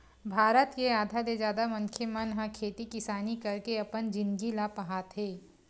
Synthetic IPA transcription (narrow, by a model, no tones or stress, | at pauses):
bʱaːɾət̪keaːd̪ʱad̪ed͡ʒaːd̪amɐ̃ŋkʰemɐnɦãkʰeːt̪ikɪsaːnikɐɾkeɐpənd͡ʒɪ̃nɡilapɐɦaːt̪ɦeː